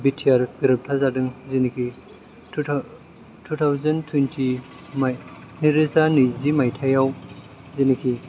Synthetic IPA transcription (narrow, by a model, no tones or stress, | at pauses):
bitʰiaɾɡɾɯp̚tʰazadɯŋzinikʰi | tʰutʰawzɐntʰwentʰi | maj | niɾizanizimajtʰajaw | zinikʰi